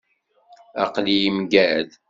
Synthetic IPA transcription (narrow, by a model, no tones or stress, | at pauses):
ɑ̰qlijimɡæð